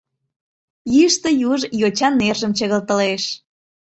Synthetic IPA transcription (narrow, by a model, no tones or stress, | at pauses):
jiəʃt̪ə̆juʒjot͡ɕɑnːerʒəmt͡ɕəɣəlt̪əleʃ